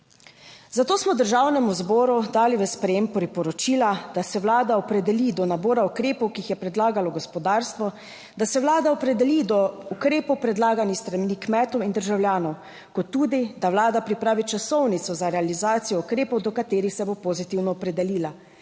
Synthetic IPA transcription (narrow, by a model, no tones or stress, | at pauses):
zat̪oːsmɔd̪əɾʒaːwnɛmuzbɔːɾud̪aːliʋɛspɾɛjempɔɾipɔɾɔt͡ʃiːlad̪asɛʋwlaːd̪aɔpɾɛd̪ɛlid̪ɔnaboːɾaukɾeːpɔwkiixjɛpɾɛd̪laːɡalɔɡɔspɔd̪aːɾst̪ʋɔ | d̪asɛwlaːd̪aɔpɾɛd̪ɛlid̪ɔukɾeːpɔwpɾɛd̪laːɡanixst̪ɾamnikmɛt̪ɔwind̪əɾʒawljaːnɔw | kɔt̪ːuːd̪id̪awlaːd̪apɾipɾaːʋit͡ʃasɔwnit̪sɔzaɾɛalizaːt̪sijɔukɾeːpɔwd̪ɔkat̪eːɾixsɛbopozit̪iwnɔɔpɾɛd̪ɛliːla